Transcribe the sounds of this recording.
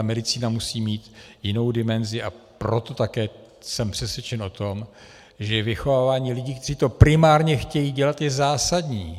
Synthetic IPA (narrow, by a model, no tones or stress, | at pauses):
mɛdɪt͡siːnamusiːmiːt̪jɪno̞wdɪmɛnzɪʔa | pɾo̞t̪o̞t̪akɛː | sɛmpr̝̥ɛsvjɛt͡ʃɛnʔo̞t̪o̞m | ʒɛvɪxovaːvaːɲiːlɪɟiːkt̪ɛriːt̪o̞pɾɪmaːɾɲɛxcɛjiːɟɛlat̪jɛzaːsadɲiː